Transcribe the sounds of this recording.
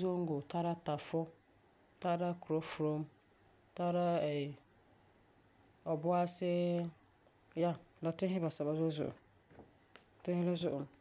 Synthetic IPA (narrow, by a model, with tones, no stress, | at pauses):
zo˦ŋ̩˦ɡo˨tʰa˦ɾa˦ta˨fʊ˦ | ta˦ɾa˦kɾo˦fɾo˦m | ta˦ɾa˦ɛ˨ | ɔ˨bʊ˦a˦sɛ˦ | ja˦na˨tɪ˦ɦɪ˦ba˨sa˨ba˨zo˦zʊ̰˨ʔ | tɪ˦hɪ˦lɪ˦zʊ˦ʔ